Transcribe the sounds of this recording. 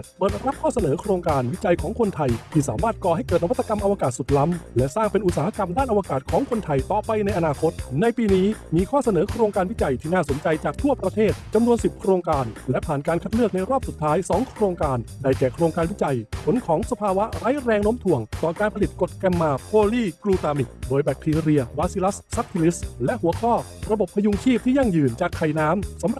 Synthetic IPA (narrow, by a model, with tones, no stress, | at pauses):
bɤː˧˩t̪̚ɾa˦˥p̚kʰɔː˥˩sa˧nɤː˩˦kʰɾoː˧ŋkaː˧nwi˦˥t͡ɕa˧jkʰɔː˩˦ŋkʰo˧nt̪ʰa˧jt̪ʰiː˥˩saː˩˦maː˥˩t̪̚kɔː˨˩ha˥˩jkɤː˨˩t̪̚na˦˥t̪ːa˧ka˧mʔa˧waː˧kaː˨˩t̪̚su˨˩t̪̚la˦˥mlɛ˦˥ʔsaː˥˩ŋpe˧nʔu˨˩t̪saː˩˦ha˧˩ka˧mdaː˥˩nʔa˧wa˧kaː˨˩t̪̚kʰɔː˩˦ŋkʰo˧nt̪ʰa˧jt̪ɔː˨˩pa˧jna˧jʔa˧naː˧kʰo˦˥t̪̚na˧jpiː˧niː˦˥miː˧kʰɔː˥˩sa˧nɤː˩˦kʰɾoː˧ŋkaː˧nwi˦˥t͡ɕa˧jt̪ʰiː˥˩naː˥˩so˩˦nt͡ɕa˧jt͡ɕaː˨˩k̚t̪ʰu˥˩ɐpɾa˧t̪ʰeː˥˩t̪̚t͡ɕa˧mnu˧ənsi˨˩p̚kʰɾoː˧ŋkaː˧nlɛ˦˥ʔpʰaː˨˩nkaː˧nkʰa˦˥t̪̚lɯ˥˩ək̚na˧jɾɔː˥˩p̚su˨˩t̪ʰːaː˦˥jsɔː˩˦ŋkʰɾoː˧ŋkaː˧nda˧˩jkɛː˨˩kʰɾoː˧ŋkaː˧nwi˦˥t͡ɕa˧jpʰo˨˩˦nkʰɔː˩˦ŋsa˧pʰaː˧wa˦˥ɾaː˦˥jɾɛː˧ŋno˦˥mt̪ʰu˨˩əŋt̪ɔː˨˩kaː˧npʰa˧li˨˩t̪̚ko˨˩t̪̚kɛ˧mːaː˧pʰoː˧liː˥˩kɾuː˧t̪aː˧mi˨˩k̚doː˧jbɛ˨˦˥k̚t̪ʰiː˧ɾi˧ɐwaː˧˥si˧˦˥la˦˥ssa˦˥p̚t̪ʰi˧li˦˥slɛ˦˥ʔhu˩˦ɐkʰɔː˥˩ | ɾa˧bo˨˩pʰːa˧ju˧ŋt͡ɕʰiː˥˩p̚t̪ʰiː˥˩ja˧˩ŋjɯː˨˩nt͡ɕaː˨˩kʰːa˨˩jnaː˦˥msa˩˦mɾ